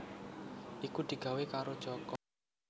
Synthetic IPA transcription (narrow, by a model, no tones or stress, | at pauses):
ʔikud̪̥i̤ɡ̥a̤wekaɾod̥ʒ̥ɔkɔ